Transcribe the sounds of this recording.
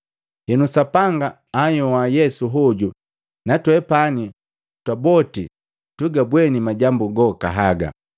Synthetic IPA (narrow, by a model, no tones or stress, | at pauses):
hɛnusapaŋɡaː | jɔwajɛsuɦɔɟu | natwɛpani | twabɔti | tuɡabwɛnimaɟambuɡɔka̰ɦaɡa̰